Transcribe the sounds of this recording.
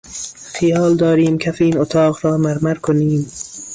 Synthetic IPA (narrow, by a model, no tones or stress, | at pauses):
xijɒːld̪ɒːɾiːmkʰæfiːnot̪ʰɒːɣɾɒːmæɾmæɾkʰoniːm